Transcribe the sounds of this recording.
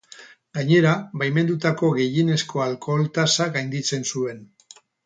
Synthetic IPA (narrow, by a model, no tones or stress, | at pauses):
ɡaɲe̞ɾaβajme̞nd̪ut̪ako̞ɣe̞jine̞sko̞alko̞lt̪asaɣajnd̪it͡se̞nsue̞n